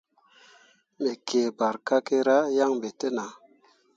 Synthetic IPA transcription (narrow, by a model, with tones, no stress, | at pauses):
me˨kʰeː˨ba˨ɾka˦ke˧ɾa˦ja˦ŋbe˨te˦na˨